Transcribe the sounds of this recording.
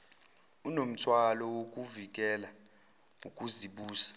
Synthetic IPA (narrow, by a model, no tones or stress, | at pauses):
unom̩tʰwalɔwokʼuvik̬ʼɛla | ukʼuziɓuːsḁ